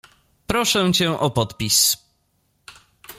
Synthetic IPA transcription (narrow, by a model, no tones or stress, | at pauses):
pɾɔʂɛ̃t͡ɕɛ̃ʔɔpɔt̪pʲis